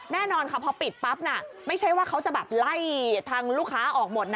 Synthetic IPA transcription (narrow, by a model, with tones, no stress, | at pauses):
nɛː˥˩nɔː˧nkʰa˦˥pʰːɔ˧˥pi˨˩t̪̚pa˦˥p̚na˧˩ma˥˩jt͡ɕʰa˥˩jwaː˥˩kʰa˦˥wt͡ɕa˨˩bɛː˨˩p̚la˥˩jt̪ʰaː˧ŋluː˥˩kʰːaː˨˦˥ʔɔː˨˩k̚mo˨˩t̪̚na˦